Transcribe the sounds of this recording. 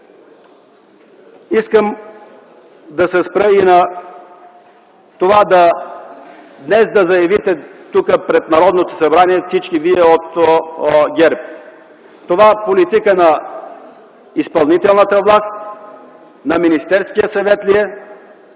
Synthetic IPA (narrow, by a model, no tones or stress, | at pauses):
iskəm | d̪ɐsɛspɾəinɐ | t̪ovad̪ɐ | d̪nɛsd̪ɐzɐjɐvit̪ɛt̪ukəpɾɛt̪̚nɐɾɔd̪not̪o̥sɐbɾaniɛfsit͡ʃkiviɛot̪ | ɡʲɛɾp | t̪ovaɛpolit̪ikənɐ | ispɐlˠnit̪ɛlˠnət̪əvlˠast̪ | nɐminist̪ɛɾskijəsɐvɛt̪liɛ